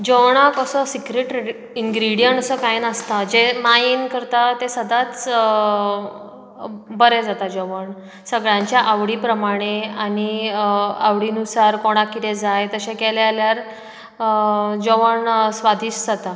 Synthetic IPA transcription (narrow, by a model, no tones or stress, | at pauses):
d͡ʑowɳ̃akəsəsikɾeʈ | iŋɡɾiɽijəɳʈəsəkajnəst̪ad͡ʑemainkəɾt̪at̪esəd̪ʱat͡s | bəɾed͡zat̪ad͡ʑoʋəɳ | səɡɭjãɲt͡ɕjaʔaʋɽiːpɾəmaɽ̃eañi | aʋɽiːnusaɾkoɽ̃akːit̪ed͡zajt̪əɕẽkeljaljaɾ | d͡ʑoʋəɳsʋad̪ʱiːɕd͡zat̪a